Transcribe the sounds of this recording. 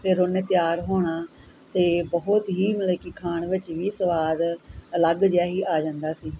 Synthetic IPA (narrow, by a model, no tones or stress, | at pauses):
pʰɪɾoːneːt̪jaːɾɦoːɽ̃aː | t̪eːbəɦʊt̪ɦiːməleːkiːkʰaːɳʋɪt͡ʃʋiːsəʋaːd̪ələɡd͡ʒjaːɦiːʔaːd͡ʒãːnd̪aːsiː